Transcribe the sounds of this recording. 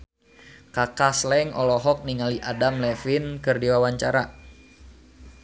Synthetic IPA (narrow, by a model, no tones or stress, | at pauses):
kakaslɛŋʔɔlɔɦɔk̚niŋaliʔadamlɛfinkɨrdiwawaɲt͡ʃaɾa